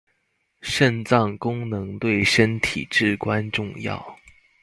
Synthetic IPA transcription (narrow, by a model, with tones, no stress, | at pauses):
ʂə˥˧nt͡sɑ˥˩ŋkʊ˥ŋnɤ˧˥ŋt̪we˥˩ɪʂə˥nt̪ʰḭ˨˩ʈ͡ʂɻ̩˥˩kwa˥nʈ͡ʂʊ˥˧ŋjɑ̰˥˩ʊ